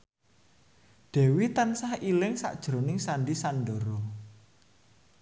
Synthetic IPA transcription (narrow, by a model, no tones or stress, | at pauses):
ɖ̥ɛ̤wit̪ansahilɪŋsa̰ʔd̥ʒ̥ɾonɪŋsanɖisanɖoɾo